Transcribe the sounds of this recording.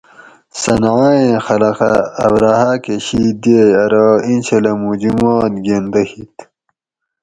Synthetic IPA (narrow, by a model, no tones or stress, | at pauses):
sɐnʕaːẽxɐlɐqa̰ːbɾaːhaːkeɕid̪eɐɾainɕelɐmud͡ʑimaːt̪ɡend̪ɐhit̪